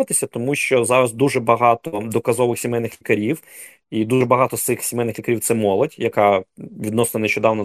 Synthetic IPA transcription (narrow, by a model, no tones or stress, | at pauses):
ɐt̪ɪsʲɐt̪ɔmuʃt͡ʃɔzɑɾɐzd̪uʒɛbɐɦɑt̪ɔd̪ɔkɐzɔʋɪxsʲimɛjnɪxlʲikɐɾʲiw | id̪uʒɛbɐɦɑt̪ɔst̪sɪxsʲemɛjnɪxlʲikɐɾiw̪sɛmɔlˠɔdʲjɐkɑʋʲid̪nɔsnɔneʃt͡ʃɔd̪ɑwnɔ